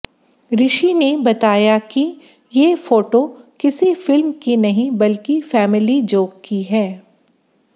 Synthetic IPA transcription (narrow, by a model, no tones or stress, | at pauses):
ɾɪʃinebɐt̪aːjaki | jeːfoːʈokɪsifɪlmkinɐɦĩbɐlkifɛːmɪlid͡ʒoːkkːiɦɛː